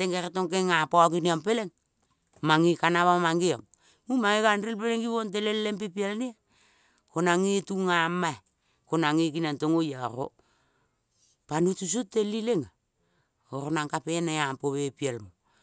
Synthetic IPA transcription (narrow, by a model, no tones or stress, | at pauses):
teŋɡeɾetoŋkeŋapaokiniampeleŋ | maŋikanaβamaŋɡioŋ | mumaŋikanrilpeleŋɡiβont̬elellempepialnia | konaŋituŋamae | konaŋikinantoŋojaɾo̰ | panutus̬utːelileŋa | oɾonaŋkapenaampoβepialmo